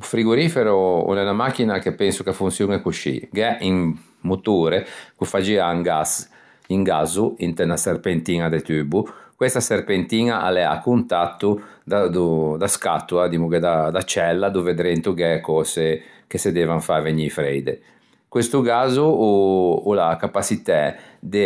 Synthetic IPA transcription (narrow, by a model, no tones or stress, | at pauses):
ufɾiɡuɾiːfɛɾuṵnɛnamak̟ːinakepːɛnsukafunsjuŋɛkuʃḭɡɛʔim | mut̪uːɾekufad͡ʒiaŋɡas | iŋɡazuint̪ɛnaserpent̪iːŋad̪et̪yːbukwest̪aserpent̪iːŋaʔa̰lɛa̰kːunt̪at̪ːud̪ad̪ud̪askat̪ːuad̪imuɡɛd̪ad̪at͡ʃɛlːad̪uved̪ɾent̪uɡɛkɔːsekesed̪ɛːvaɱfaveɲifɾɛjd̪e | kwest̪uɡaːzuuulakapasit̪ɛd̪e